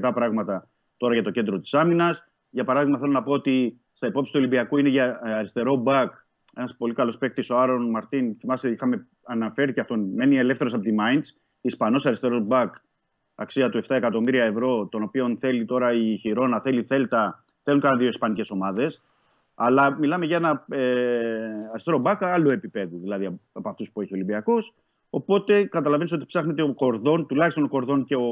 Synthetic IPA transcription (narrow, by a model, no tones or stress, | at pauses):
t̪ɐpɾɐɣmɐt̪ɐ | t̪o̞ɾɐʝɐt̪o̞ce̞nd̪ɾo̞t̪i̥sɐminɐs | ʝɐpɐɾɐðiɣmɐθelo̞nɐpoot̪i | st̪ɐepo̞psit̪ulibiɐkuineʝɐːɾist̪e̞ɾo̞bɐk | e̞nɐspo̞likɐlo̞spe̞k̚t̪isoɐɾo̞nmɐɾt̪inθimɐsiixɐme̞ | ɐnɐfe̞ɾiceft̪onme̞nie̞le̞fθeɾo̞sɐpot̪imɐins | ispɐno̞sɐɾist̪e̞ɾo̞zbɐk | ɐ̰ksiɐt̪ue̞ft̪ɐekɐt̪o̞miɾiɐevɾo̞t̪ono̞pio̞nθe̞lit̪o̞ɾɐiçiɾo̞nɐθe̞liθe̞lt̪ɐ | θe̞luŋkɐɐnðio̞ispɐnice̞so̞mɐðe̞s | ɐlɐmilɐme̞ʝɐenɐe | ɐɾist̪e̞ɾo̞bɐkɐloe̞pipe̞ðuðilɐðiɐɐpoɐft̪uspueçio̞limbiɐko̞s | o̞po̞t̪e̞kɐt̪ɐlɐve̞niso̞t̪i̥psɐxne̞t̪eoko̞ɾðo̞nt̪ulɐçist̪o̞nko̞ɾðo̞nce̞o̞